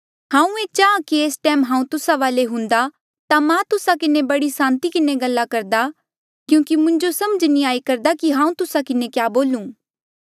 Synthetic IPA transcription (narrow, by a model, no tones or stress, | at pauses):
ɦãːũeːt͡ʃaːãkieːsʈɛːmɦãːũt̪ʊsaʋaːleɦʊ̃nd̪a | t̪amãt̪ʊsakɪnẽbɐɽisãːnt̪ikɪneɡɐlːakɐɾd̪a | kjũːkimʊ̃ɲd͡ʒosɐməd͡ʒniaːikɐɾd̪akiɦãːũt̪ʊsakɪnekjaːboːlũː